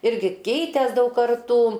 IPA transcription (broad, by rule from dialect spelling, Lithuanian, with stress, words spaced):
ˈɪrʲɡʲɪ ˈkʲɛɪtʲeːs ˈdɐʊk kɐrˈtuː